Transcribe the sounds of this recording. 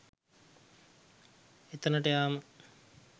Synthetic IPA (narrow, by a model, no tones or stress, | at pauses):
et̪ənəʈəjaːmə